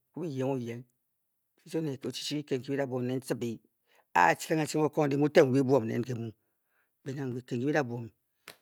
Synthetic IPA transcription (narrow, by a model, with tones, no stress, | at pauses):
ku˦bi˦je˨˦ŋo˦je˨˦ŋ | i˦o˦ne˨o˨t͡ʃi̥˦t͡ʃi˦ki˦ke˨ŋ˨ki˦i˦a˦˨bʷo˨mne˦n˦sɨ˦bi˨˦ | a̰˦˨t͡ʃi˦le˦ŋa˨t͡ʃi˦o˦ko˦ŋ˨di˦mu˦te˦ŋ˨wi˦bu˦o˨m˨nḛ˨˦n˦ke˨mu˦ | be˨na˨ŋ˨wi˨ke˨ŋki˦bi˦a˦˨bʷo˨mi˨